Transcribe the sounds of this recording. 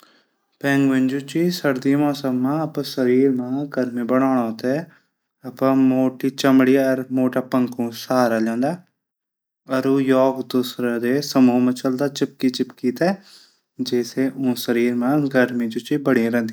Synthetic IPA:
pɛ̃ːŋɡʋɪ̃nd͡ʒut͡ʃisəɾd̪iːmɔːsəmːãːəpãsəɾiːɾmãːɡəɾmĩːbəɽ̃aːɳ̃aːt̪eː | əpãːmoːʈiːt͡ʃəmɽiːəɾmoːʈaːpəŋkũːsaːɾaːlãːnd̪aː | əɾuːjɔːɡd̪usɾad̪eːsəmũːmət͡ʃəld̪aːt͡ʃɪp̚kiːt͡ʃɪpkiːt̪ɛː | d͡ʒeːseːʔũːsəɾiːɾmãːɡəɾmĩːd͡ʒut͡ʃiːbəɽĩɾɛ̃nd̪i

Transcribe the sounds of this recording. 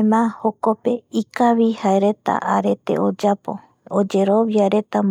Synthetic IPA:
mãhokope̞ikaʋihaeɾe̞t̪a̰ʔaɾe̞t̪e̞̰od͡ʒapo̞̰ | od͡ʒe̞ɾoβjaɾe̞t̪am

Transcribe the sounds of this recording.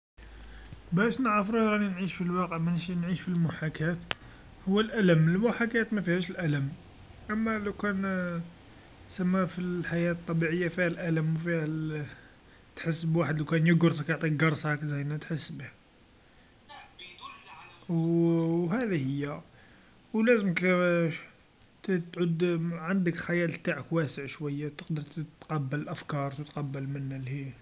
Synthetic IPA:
bæʃnəʕɾəfɾuhɾˤɑninʕiʃfilwɑqəʕmænʃinʕiʃfilmʊħakæt̪ | hʊwːəlʔæləməlmʊħakæt̪mæfihæʃəlʔæləm | ʔæmːæləwkæn | səmːæfilħajæt̪t̪ˤːɑbiʕəjːafihælʔæləmufihæ | t̪ħəsːbwaħəd̪lawkænjəɡɾskjoʕt̪ˤiɡɑɾˤsˤəkzæjnæt̪ħəsːbih | wwɦæd̪ihəjːæ | wlæzəməkʃ | t̪t̪ʕʊd̪ʕand̪əkxæjælt̪aʕəkwæsəʕʃwæjːat̪əqd̪əɾˤt̪t̪qɑbːəllʔæfkɑɾˤt̪ət̪qɑbːəlmənːælhi

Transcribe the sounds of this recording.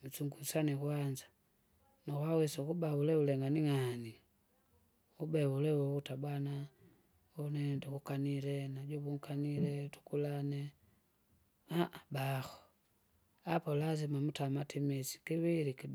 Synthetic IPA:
m̩suŋɡusanikwaɲd͡ʒḁ | nakwawɛsakubaulɛulɛŋɡaniŋani | ubɛwulɛwɔkutabwana | ɔnɛndɔkukanilɛnaɟɔβuŋ̩kanilɛtu̥kulanɛ | aʔabaxɔ̥ | apɔlazimamutamatimisi̥kiβiliki

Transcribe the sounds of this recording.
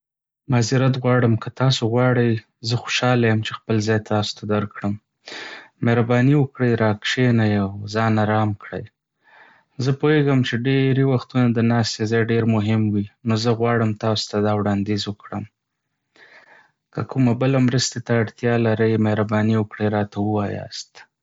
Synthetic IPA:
maziɾat̪̬ɣwɑɽəmkət̪ɑsoɣwɑɽəj | zəxo̥ʃɑlajəmt͡ʃexpəlzɑjt̪ɑso̥t̪ʰad̪aɾkɽəm | meɾabɑniwəkɽəjɾɑkʃenajawzɑnaɾɑmkɽəj | zəpojeɡəmt͡ʃeɖeɾewaxt̪unad̪ənɑst̪ezɑjɖeɾmʊɦɪmwinozəɣwɑɽəmt̪ɑso̥t̪ad̪ɑwɽɑnd̪ezwəkɽəm | kəkʰumabəlamɾəst̪et̪aːɽt̪jɑlaɾəjmehɾabɑniwəkɽəjɾɑt̪awəwɑjɑ̰st̪

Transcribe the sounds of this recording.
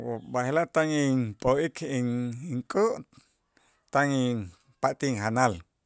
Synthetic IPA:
bahelat̪aŋiŋpʼoikʰiŋiŋkʼuʔ | t̪aŋiŋ | paʔt̪iŋɦanal

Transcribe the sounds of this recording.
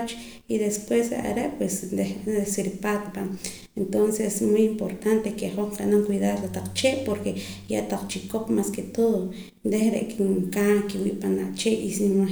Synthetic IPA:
t͡ʃ | iðespwesḛʔa̰ɾeʔpwesnd̪eesiɾpat̪pa | ent̪onsesmujimpoɾt̪ant̪ekeχoɴqanaŋkwiðaɾlat̪aq͡χt͡ʃeʔpoɾkeja̰ʔt̪aq͡χt͡ʃikopmasket̪oðo | nd̪eχɾḛʔkiŋkakiwḭʔpanaʔt͡ʃeʔisima

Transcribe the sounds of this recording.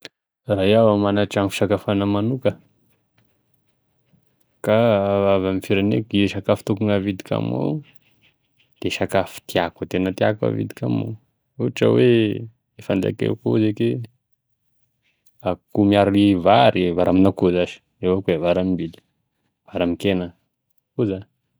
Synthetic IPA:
rajawamanaʈ͡ʂaŋfi̥ʃakafanəmanukə | kavavamifiɾanekieʃakafi̥t̪ukuŋavid̪ikʲa̰mo̰ | d̪̥eʃakafi̥t̪iakət̪enət̪ia̰kwa̰vḭd̪i̥kʲa̰mo̰ | uʈ͡ʂə̰we | efand̪a̰kḛkuzeke | akumiaɾivaɾivaɾaminakuzaʃi̥ | ewakevaɾamimbili̥ | v̥aɾamikenə | kuza

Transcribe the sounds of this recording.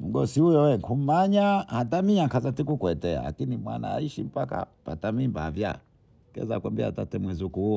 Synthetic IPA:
m̩ɡɔsihujɔwɛŋkum̩maɲahatamiakazatikukwɛtɛa̰la̰kinimwa̰na̰a̰iʃim̩paka̰patamimbavja̰ | kɛ̰za̰kwambɛa̰tatɛmwɛzukuuɔ

